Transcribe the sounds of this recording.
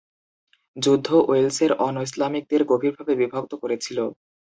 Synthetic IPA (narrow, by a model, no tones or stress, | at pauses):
d͡ʑud̪ʱːoʔoelseɾɔnoislamik̚d̪eɾɡobʱiɾbʱabebibʱoɡ̚t̪okoɾet͡ɕʰilo